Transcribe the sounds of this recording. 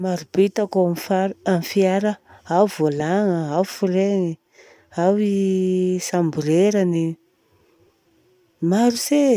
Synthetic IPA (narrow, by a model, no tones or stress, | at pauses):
maɾubet̪akoamifaɾamfiaɾəawvolaŋəawfuɾeŋi | awisambuɾeɾani | maɾuse